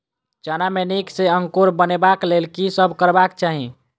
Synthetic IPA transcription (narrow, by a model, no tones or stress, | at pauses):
t͡ʃanamenikseəŋkoɾbənebaklelkisəbʱkəɾbakt͡ʃaɦĩ